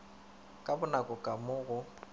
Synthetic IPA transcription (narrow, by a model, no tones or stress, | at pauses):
kʼabʊnakʼʊkʼamʊɣʊ